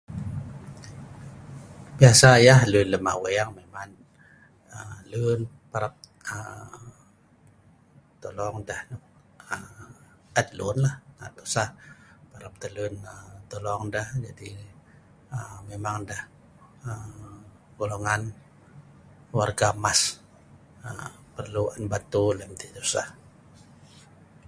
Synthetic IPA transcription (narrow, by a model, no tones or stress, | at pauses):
biasajahlunləma̰weaŋmeman | əlun | paɾap̚ | ə | t̪olɔŋdahn | əm | əd̪lunlahna̰t̪usahpaɾap̚t̪əlunət̪olɔŋdahd͡ʒadi | əmemaŋdah | ə | ɡoloŋan | warɡamas | ə | pərluanbat̪ulɛmt̪id̪usa̰h